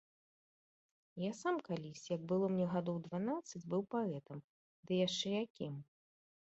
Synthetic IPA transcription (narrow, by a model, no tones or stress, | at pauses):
jasamkalʲisʲjɐɡ̚bɨlˠɔmnʲɛɣad̪ɔwd̪vanat̪sɨd͡zʲbɨwpaɛt̪ɐm | d̪ɨjaʂt͡ʂɛjakʲim